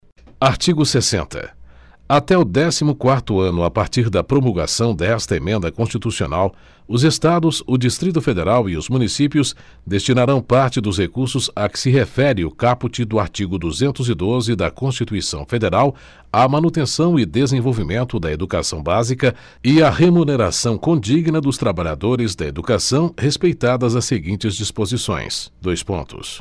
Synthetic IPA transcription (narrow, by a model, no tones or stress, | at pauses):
aɾt͡ʃiɡʊsesḛ̃nt̪ɐ̰ | at̪ɛʊd̪ɛsimʊkwaɾt̪ʊɐ̃nʊapaɾt͡ʃiɾd̪ɐpɾomulɡasɐ̃w̃d̪ɛst̪ɐemẽnd̪ɐkõst͡ʃit̪usio̰naw | ʊzest̪ad̪ʊzʊd͡ʒist̪ɾit̪ʊfed̪eɾawiʊzmũnisipiʊs | d̪est͡ʃinaɾɐ̃w̃paɾt͡ʃɪd̪ʊshekuɾsʊzɐkɪ̥sɪɦefɛɾɪʊkaput͡ʃɪd̪ʊaɾt͡ʃiɡʊd̪uzẽnt̪ʊzɪd̪ozɪd̪ɐkõst͡ʃit̪uisɐ̰̃w̃fed̪eɾaw | amanut̪ẽsɐ̃w̃ɪd̪ezẽvowvimẽnt̪ʊd̪ɐed̪uka̰sɐ̃w̃bazikɐ | ɪɐhemuneɾa̰sɐ̃w̃kõd͡ʒiɡnɐd̪ʊst̪ɾabaʎa̰d̪oɾɪzd̪ɐed̪ukasɐ̃w̃hespejt̪ad̪ɐzɐseɡĩnt͡ʃɪzd͡ʒispozisõ̰j̃sd̪ojspõ̰nt̪ʊ̰s